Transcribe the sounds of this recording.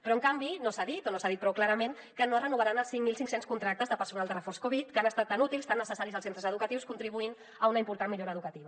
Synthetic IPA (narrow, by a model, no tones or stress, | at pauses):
pɾɔəŋkambinosaðit̪onosaðit̪pɾɔwklaɾəmen | kənorənuβəɾanəlˠsiŋmilˠsiŋksenskunt̪ɾak̚t̪əzðəpəɾsunalˠd̪ərəforskoβit̪kəanəst̪at̪ːanut̪ilˠst̪anːəsəsaɾizəlˠsent̪ɾəzəðukət̪iwskunt̪ɾiβuin | əunəimpuɾt̪anmiʎoɾəðukət̪iβə